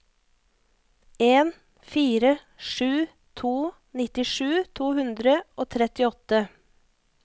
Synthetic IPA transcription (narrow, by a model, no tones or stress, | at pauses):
eːn | fiːɾə | ʃʉː | t̪ʰuː | nɪt̪ɪʃʉːt̪ʰuːhʉnd̪ɾəʔoːt̪ʰɾɛt̪ɪɔt̪ə